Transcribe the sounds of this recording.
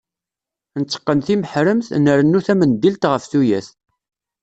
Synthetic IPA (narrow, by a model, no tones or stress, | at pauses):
nət͡sːə̥qːənθiməħɾəmθnəɾənːuθæmənd̪ilt̪ʁəfθujæθ